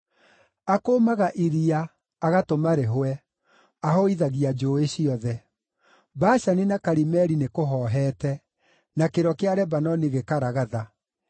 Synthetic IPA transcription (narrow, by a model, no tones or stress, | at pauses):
akomaɣaʔiɾiaː | ɣatomaɾeɦoɛ | ahɔiðaɣiad͡ʒoeɕiɔðɛ | baɕaninakaɾimɛɾinekoɦɔːɦɛːtɛ | nakeɾɔkeaɾɛbanɔniɣekaɾaɣaða